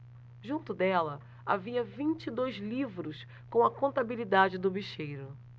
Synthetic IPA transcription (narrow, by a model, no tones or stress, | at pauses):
ʒũnt̪ʊd̪ɛlɐ | aviɐvĩnt͡ʃid̪ojzlivɾʊs | kõw̃ɐkõnt̪abilid̪ad͡ʒɪd̪ʊbiʃejɾʊ